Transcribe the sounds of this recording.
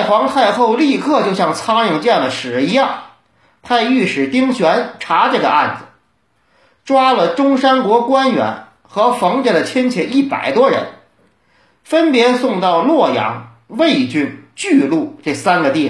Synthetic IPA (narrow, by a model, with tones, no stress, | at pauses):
a˥˩ɪxwɑ˧˥ŋt̪ʰa˥˧ɪxo˥˧ʊli˥˧kʰɤ˥˧t͡ɕjo˥˧ʊɕjɑ˥˩ŋt͡sʰɑ˥ŋɻi˥˧˩ŋʈ͡ʂɤ˥˧jɑ˥˩ŋd̪ə˩ʂɻ̩˨˩i˧˥jɑ˥˩ŋ | p̪ʰa˥˧ɪy˥˩ʂɻ̩˨˩t̪i˥ŋɕɥɛ˧˥nʈ͡ʂʰa˧˥ʈ͡ʂɤ˥˩ɡə̰˧ʔa˥˩nd͡zɹ̩˨˩ | ʈ͡ʂwa˥lə˨ʈ͡ʂʊ˥ŋʂa˥nkwɔ˧˥kwa˥nɥɛ̰˧˥n | xɤ˧˥fɑ˧˥ŋt͡ɕe˥˩d̪ə˩t͡ɕʰjɛ˥nt͡ɕʰjɛ˧˥ni˥˩pa̰˨˩ɪt̪wɔ˥ɻə̰˧˥n | fə˥npjɛ˧˥sʊ˥˧ŋt̪ɑ˥˧ʊlwɔ˥˩jɑ̰˧˥ŋ | we˥˩ɪt͡ɕy˥nt͡ɕy˥˧lu˥˧ʈ͡ʂɤ˥˩sa˥nɡə˧t̪i˥˩